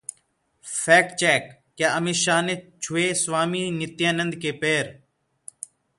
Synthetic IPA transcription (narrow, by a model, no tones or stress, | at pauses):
fɛːkt͡ʃɛːk̚ː | jaːʔəmiːʃaːneːt͡ʃʰʊeːsʋaːmiːnɪt̪jãːnənd̪keːpeːɾ